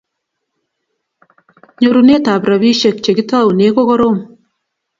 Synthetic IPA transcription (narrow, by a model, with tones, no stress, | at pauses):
ɲo˨ɾu˨ne˦t̪a˨bɾɐ˨βi˦ʃe˨k̚t͡ʃe˨ɡi˦t̪a˦˨wne˦ɡo˦ɣɔ˦ɾo˦m